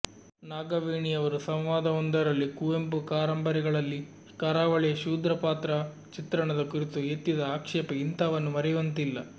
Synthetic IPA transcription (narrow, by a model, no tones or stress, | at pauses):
naːɡɐʋiːɳiɐʋɐɾusɐmʋaːd̪ɐɔnd̪ɐɾɐlːikuempukaːɾɐmbɐɾiɡɐɭɐlːi | kɐɾaːʋɐɭɛjɐʃuːd̪ɾɐpaːt̪ɾɐ | t͡ʃit̪ɾɐɳɐd̪ɐkuɾit̪uet̪ːid̪ɐaːkʂɛːpɐint̪ɐʋɐnːumɐɾɛjʋɐnt̪ilːɐ